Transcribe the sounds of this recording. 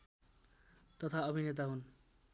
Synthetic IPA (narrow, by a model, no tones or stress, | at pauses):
t̪ʌt̪ʰaʌbʱinet̪aɦun